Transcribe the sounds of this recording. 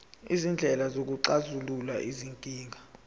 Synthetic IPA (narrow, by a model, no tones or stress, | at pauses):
izind͡ɮʱɛlazok̬uǀazululaʔiziŋkʼiːŋʱa